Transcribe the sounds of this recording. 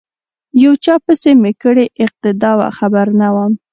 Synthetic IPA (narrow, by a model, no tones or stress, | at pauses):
jawt͡ʃɑpəsemekəɽeʔɪq̚t̪ɪd̪ɑwa̰xabaɾnawam